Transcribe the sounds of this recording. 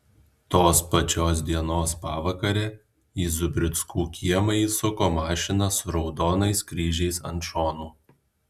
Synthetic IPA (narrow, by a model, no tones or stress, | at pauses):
t̪oːspɐt͡ʃʲoːs̬d̪ʲiɛnoːspɑːʋɐkɐɾʲɛ | iːzʊbʲɾʲɪt̪skuːkʲiɛmɐiːsʊkoːmɑːʃʲɪnɐsʊɾɒʊd̪oːnɐɪskɾʲiːʒʲɛɪsɐ̰nt̪ʃoːnuː